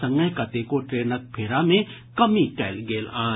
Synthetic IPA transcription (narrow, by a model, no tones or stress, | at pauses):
ɐ̃ŋɡəjkɐt̪ekoʈɾeːnək̚pʰeːɾamẽ | kɐmiʈɛːlɡeːlaː